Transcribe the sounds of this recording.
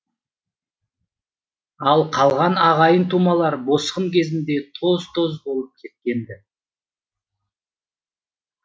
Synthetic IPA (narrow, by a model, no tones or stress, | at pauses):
ɑlˠqʰɑlˠʁɑnɑʁɑjənt̪ʰumɑlˠɑɾbo̞sqəmkʲʰe̞zɪnd̪e̞t̪ʰo̞zt̪ʰo̞zbo̞lˠəp̚kʲʰe̞t̪̚kʲe̞nd̪ɪ